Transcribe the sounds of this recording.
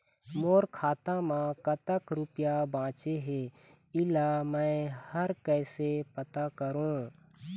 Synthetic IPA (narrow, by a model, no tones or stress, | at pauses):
moːɾkʰaːt̪ãmãkət̪əkɾʊpɪjabãːt͡ʃeɦeː | ɪlamɛ̃ːhəɾkɛːsepət̪akəɾõː